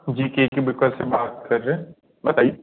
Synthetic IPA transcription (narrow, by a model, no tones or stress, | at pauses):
d͡ʒiːkeːkibɪkəlsebaːt̪̚kɐɾːeɦɛ̃ | bɐt̪aːije